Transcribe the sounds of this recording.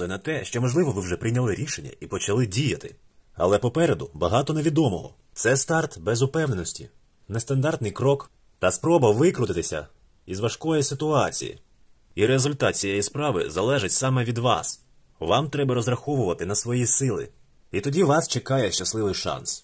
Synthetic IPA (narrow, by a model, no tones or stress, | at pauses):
ɪnɐt̪ɛʃt͡ʃɔmɔʒlˠɪʋɔʋɪwʒɛpɾɪjnʲɐlˠɪɾʲiʃenʲːɐ̰ʔipɔt͡ʃɐlˠɪdʲijɐt̪ɪ | ɐ̰lˠɛpɔpɛɾed̪ʊbɐɦɑt̪ɔne̞ʋʲid̪ɔmɔɦɔ̰ | t̪sɛst̪ɑrt̪bɛzʊpɛwnenɔsʲtʲḭ | nɛst̪ɐnd̪ɑrt̪nɪjkɾɔk | t̪ɐspɾɔbɐʋɪkɾʊt̪ɪt̪ɪsʲɐ̰ | izʋɐʃkɔjisɪt̪ʊɑt͡sʲḭjḭ | iɾezʊlʲt̪ɑt̪t͡sʲijɛjispɾɑʋɪ̰zɐlˠɛʒɪtʲsɑmɛʋʲid̪ʋɑ̰s | ʋɑmt̪ɾɛbɐɾɔzrɐxɔʋʊʋɐt̪ɪnɐsʋɔjisɪlˠɪ̰ | it̪ɔdʲiʋɑst͡ʃekɑjɛʃt͡ʃɐslˠɪʋɪjʃɑ̰ns